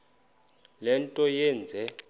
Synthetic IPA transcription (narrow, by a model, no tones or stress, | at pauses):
lɛntʼɔjɛːnd͡zʱɛ